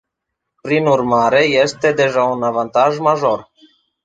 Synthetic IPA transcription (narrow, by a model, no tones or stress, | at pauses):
pɾinurmaɾe̞je̞st̪e̞d̪e̞ʒaunavant̪aʒmaʒo̞r